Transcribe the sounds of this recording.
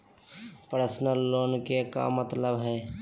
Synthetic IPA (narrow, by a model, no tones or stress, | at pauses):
pəɾəsnəlːoːnkeka̰mət̪ləbɦɛː